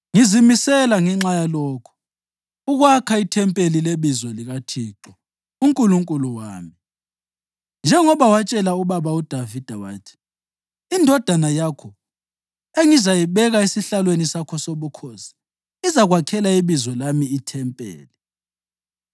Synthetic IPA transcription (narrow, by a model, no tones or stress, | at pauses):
ŋizimisɛlaŋɛŋ͡ǁajalɔːkʰɔ̥ | uɣwakʰaitʰɛmpʼelileβizɔliɣatʰiǁɔ | uŋkʼuluŋkʼuluwa̰ːmi | nd͡ʒʱɛŋɔβawat͡ʃʼɛlauβaβaud̥ʱavid̥ʱawa̰ːtʰi̥ː | ndʱɔd̥ʱanajakʰɔ | eŋizajiβɛɣaisiɬalwenisakʰɔsoβukʰɔsi̥ | izaɣwakʰɛlaiβizwɔlamiːtʰɛmpʼḛːli